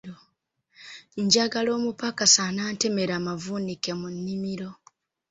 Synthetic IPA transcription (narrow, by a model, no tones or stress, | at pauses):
o | ɲɟaɡalo̞ːmupakasanaːnte̞me̞ɾamavunike̞munːimiɾo̞